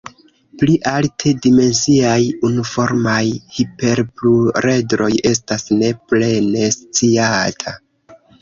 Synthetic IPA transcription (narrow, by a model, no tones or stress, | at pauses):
pliʔaltʰe̞dime̞nsiajunufo̞ɾmajhipe̞ɾpluɾe̞dɾo̞je̞s̬tasne̞ple̞ne̞st͡siatʰa